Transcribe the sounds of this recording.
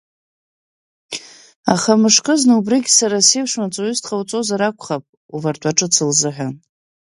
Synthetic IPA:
aχamɨʂkʼɨznɨubriɡʲsaɾaseʂmat͡sʼoɥʏztʰχawt͡sʼozaɾakʷʰχapʼ | uvartʷʼaʈ͡ʂʼɨt͡sʰɨlzɨħʷᶣa

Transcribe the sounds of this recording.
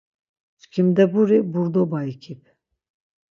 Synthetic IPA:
skʰimd̪ɛbuɾibuɾd̪ɔbaikʰip̚ʰ

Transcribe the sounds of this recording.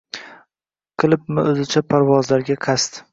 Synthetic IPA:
qʰɨlˠɪp̚mɪɵzɪt͡ʃʰapʰaɾwɒzlaɾɡʲaqʰast̪

